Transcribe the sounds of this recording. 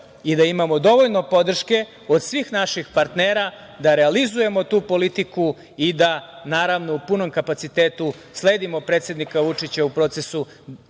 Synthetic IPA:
id̪aimamo̞d̪o̞ʋo̞ʎnopo̞d̪r̩ʃke̞ | o̞d̪sʋiːxnaʃixpaɾt̪neːɾa | d̪aɾe̞alizuje̞mo̞t̪uːpo̞lit̪iku | id̪anaːɾaʋno̞upuno̞mkapat̪sit̪eːt̪u | sle̞ːd̪imo̞pɾet̪sje̞d̪nikaʋut͡ʂit͡ɕaupɾo̞ːt̪se̞su

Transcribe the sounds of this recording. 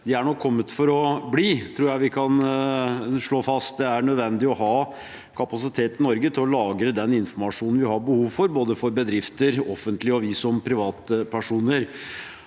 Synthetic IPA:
d̪ɛæɳɔkʰːɔmːət̪fɔɾɔbliːt̪ʰɾuːjæɪʋɪkʰɑn | ʂɭoːfɑst̪̚d̪ɛæɾɳœd̪ʋɛnd̪ɪɔɦɑː | kʰɑpɑsɪt̪ʰeːt̪ɪnɔɾɡət̪ʰɪlɔlɑːɡɾəd̪ɛnɪnfɔmɑʂuːnn̩ʋɪhɑɾbəhuːʋfɔɾboːd̪əfɔɾbəd̪ɾɪft̪əɾɔfənt̪lɪɑʋiːsɔmpʰɾɪʋɑːt̪pʰæʂuːnəɾ

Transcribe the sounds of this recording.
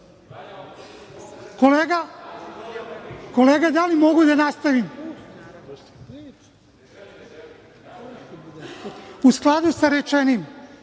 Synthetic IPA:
koleːɡa | ko̞leːɡad̪alimo̞ɡud̪anast̪aʋim | usklˠad̪usaɾet͡ʃenim

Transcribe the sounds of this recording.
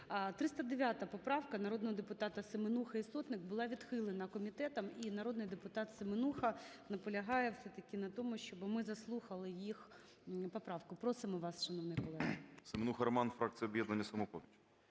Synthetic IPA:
t̪ɾɪst̪ɐd̪eʋʲjat̪ɐpɔpɾɑwkɐnɐɾod̪nɔɦɔd̪epʊt̪ɑt̪ɐsemenuxɐist̪ɔt̪nɪk̚bʊlˠɑʋʲid̪xɪlˠenɐkɔmʲit̪ɛt̪ɐminɐɾod̪nɪjd̪epʊt̪ɑt̪semenuxɐnɐpɔlʲɐɦɑjɛwsɛt̪ɐkʲɪnɐt̪ɔmʊʃt͡ʃɔbɪmɪzɐslˠuxɐlˠɪjix | pɔpɾɑwkʊpɾɔsɪmɔʋɑsʃɐnɔʋnɪjkɔlˠɛɦɐsemenuxɐɾɔmɑnfɾɑk̚t̪ʲijɔbjɛd̪nɐnʲːɐsɐmɔpɔʋʲit͡ʃʊ

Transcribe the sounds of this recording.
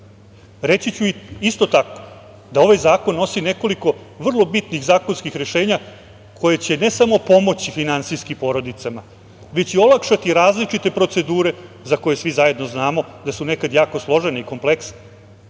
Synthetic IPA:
ɾe̞t͡ɕit͡ɕuist̪o̞t̪ako̥ | d̪ao̞ʋajzaːkonːo̞sine̞ko̞liko̞ʋr̩lˠo̞bit̪niɣzaːko̞nskixɾe̞ʃe̞ːɲa | kʰo̞je̞t͡ɕe̞ne̞samo̞po̞mo̞t͡ɕifinansijskimpo̞ːɾo̞d̪it̪sama | ʋe̞t͡ɕio̞lˠakʃat̪iɾaːzlit͡ʂit̪e̞pɾo̞t̪se̞d̪uːɾe̞ | zako̞je̞sʋizaje̞d̪no̞znaːmo̞d̪asune̞kad̪jaːko̞slˠo̞ʒeneiko̞mpleksne

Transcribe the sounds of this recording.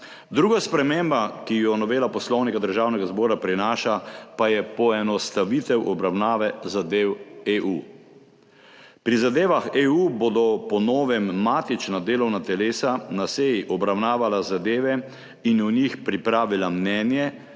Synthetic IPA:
d̪ɾuːɡaspɾɛmeːmbakijɔnɔʋeːlapɔslɔwnikad̪əɾʒaːwnɛɡazbɔːɾapɾinaːʃapajɛpɔɛnɔst̪aʋit̪ɛwʔɔbɾawnaːʋɛzad̪eːweʔu | pɾizad̪eːʋaxeuːbod̪ɔpɔnɔːʋɛmːaːt̪it͡ʃnad̪eːlɔwnat̪ɛleːsanasejiʔɔbɾawnaːʋalazad̪eːʋɛ | inunixpɾipɾaːʋilamnɛːnjɛ

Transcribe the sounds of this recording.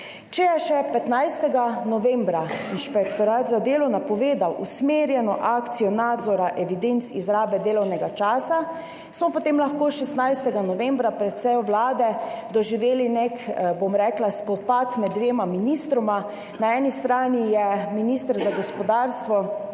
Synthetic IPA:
t͡ʃɛjɛʃɛpɛt̪najst̪ɛɡanɔʋɛmbɾainʃpɛkt̪ɔɾaːt̪zad̪eːlɔwnapɔʋeːd̪awʔusmeːɾjɛnɔʔaːkt̪sijɔnaːd̪zɔɾaʔɛʋid̪ent̪sizɾaːbɛd̪eːlɔwnɛɡat͡ʃaːsa | smɔpot̪emlaxkoːʃɛst̪najst̪ɛɡanɔʋembɾapɾɛt̪sɛjwlaːd̪ɛd̪ɔʒiʋeːlinekbomɾɛklaspɔt̪̚pat̪mɛd̪d̪ːʋeːmaminist̪ɾɔma | naɛːnist̪ɾaːnijɛminist̪əɾzaɡɔspɔd̪aːɾst̪ʋɔ

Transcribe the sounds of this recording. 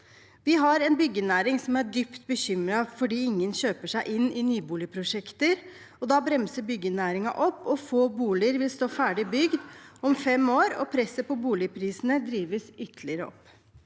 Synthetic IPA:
ʋɪɦɑɾɛnbʏɡːənæːɾɪŋsɔmæɖypt̪bəɕʏmɾɑfɔɖiːɪŋːənɕøːpəʂæɪʔɪnːɪnyːbuːlɪpʰɾʊʂɛkt̪əɾ | ɔd̪ɑːbɾɛmsəbʏɡːənæːɾɪŋɑ̰ʔɔpːɔfoːbuːlɪəɾʋɪlst̪oːfæːɖɪbʏɡd̪ɔmfɛmoːɾɔ̰pʰɾɛsːəpɔbuːlɪpʰɾiːsənəd̪ɾiːʋəsʏt̪əlɪəɾəɔ̰pː

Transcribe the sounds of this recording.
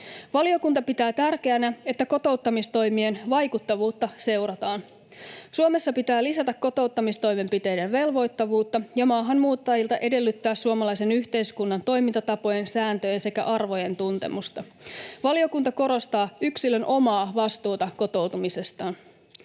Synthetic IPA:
ʋɑlio̞kunt̪ɑpit̪æːt̪ærk̟e̞ænæe̞t̪ːæko̞t̪o̞wt̪ːɑmist̪o̞jmienʋɑjkut̪ːɑʋuːt̪ːɑse̞wɾɑt̪ɑːn | suome̞sːɑpit̪æːlisæt̪ækko̞t̪o̞wt̪ːɑmist̪o̞jme̞mpit̪e̞jde̞nʋe̞lʋo̞jt̪ːɑʋuːt̪ːɑjɑmɑːɦɑnmuːt̪ːɑjilt̪ɑʔe̞de̞lːyt̪ːæːssuomɑlɑjse̞nyçt̪e̞jskunːɑnt̪o̞jmint̪ɑt̪ɑpo̞je̞nsæːnt̪øjense̞kæ̰ʔɑrʋo̞je̞nt̪unt̪e̞̰must̪ɑ | ʋɑlio̞kunt̪ɑko̞ɾo̞st̪ɑːyksilønʔo̞mɑːʋɑst̪uːt̪ɑko̞t̪o̞wt̪umise̞st̪ɑːn

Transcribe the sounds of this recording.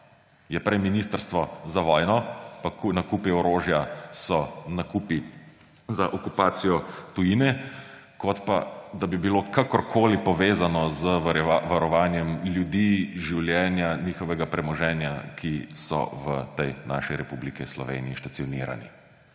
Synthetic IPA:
jɛpɾɛjminiːst̪əɾst̪ʋɔzaʋɔːjnɔpaknakuːpiɔɾoːʒjasɔnakupi | zaʔɔkupaːt̪sijɔt̪ujinɛ | kɔt̪pa̰d̪abibilokakɔɾkʰoːlipɔʋeːzanɔzəʋaɾɔʋaːnjɛmljud̪iʒiwljɛːnjaniːxɔʋɛɡapɾɛmɔʒɛːnjakʰisɔ̰ʋət̪ɛjna̰ːʃiɾɛpublikislɔʋḛːniːʃtatsijɔniːɾa̰nḭ

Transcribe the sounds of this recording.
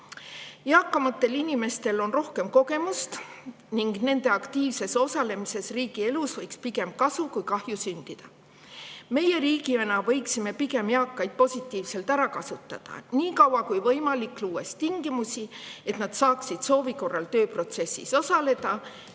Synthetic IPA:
jɑːkːɑmɑt̪ːe̞linʲime̞st̪e̞lo̞nro̞hke̞mko̞ke̞must̪ | niŋɡne̞nd̪̥e̞ɑkt̪iːvse̞so̞sɑle̞mise̞sriːɡ̥ie̞lusvɤjkspiɡe̞mb̚kɑsukujkɑhjusynd̪̥id̪̥ɑ | me̞je̞ɾiːɡienɑvɤ̞jksime̞piɡe̞mjɑːkːˑɑjd̪̥̚po̞sʲit̪ːˑiːvse̞lt̪æɾɑkɑsut̪ːˑɑd̪̥ɑ̰niːkɑwɑkujvɤjmɑlikːˑluːe̞st̪iŋɡ̥imusie̞t̪nɑd̪sɑːksid̪̥so̞ːviko̞rːɑlt̪øːpro̞t̪se̞sːḭso̞sɑle̞d̪̥ɑ

